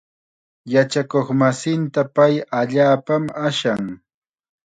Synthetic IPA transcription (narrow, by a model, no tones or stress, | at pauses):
jat͡ʃakoχmasɪnt̪apajaʎaːpamaʃaŋ